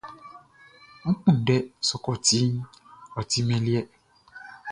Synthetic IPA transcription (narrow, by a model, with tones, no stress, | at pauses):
ŋ̩̃˦k͡pũ˦˨ɖɛ˦sɔ˨˦kɔ˦˨ti˨˦ɔ˨t̪i˦mɛ̃˨li˦ɛ˦